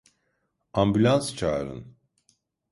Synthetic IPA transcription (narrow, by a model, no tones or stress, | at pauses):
ambylʲˠanst͡ʃʰaːɾɯ̰n